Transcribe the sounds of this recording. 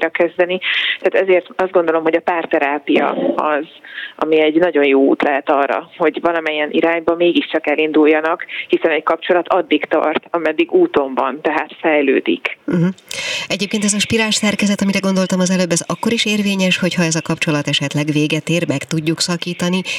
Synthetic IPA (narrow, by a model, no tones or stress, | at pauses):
ɾɒkɛzd̪ɛnit̪ɛːt̪ɛzeːrt̪ɒzd̪ɡo̞nd̪o̞lo̞mɦo̞ɟɒpaːrt̪ɛɾaːpijɒ̰ɒzʔɒ̰miɛɟnɒɟo̞njoːṵːt̪lɛɦɛt̪ɒːrːɒ̰ho̞ɟvɒlɒmɛɲiɛnʔiɾaːɲbɒmeːɡiʃt͡ʃɒkɛlind̪ujːɒnɒkhisɛnɛckɒp̚t͡ʃo̞lɒt̪ʰɒd̪ːikt̪ɒ̰rt̪ɒmɛd̪ːiɡuːt̪o̞mbɒ̰nt̪ɛɦaːt̪fɛjløːd̪ḭkm̩ɦ̩ɛɟeːpkeːnt̪ɛzɒʃpiɾaːlʃsɛrkɛzɛt̪ɒmiɾɛɡo̞nd̪o̞lt̪ɒmɒzɛløːbːɛzɒkːo̞ɾiʃeːrveːɲɛʃho̞chɒɛzɒkɒpt͡ʃo̞lɒt̪ɛʃɛt̪lɛɡveːɡɛt̪eːrmɛkt̪uɟːuksɒkiːt̪ɒni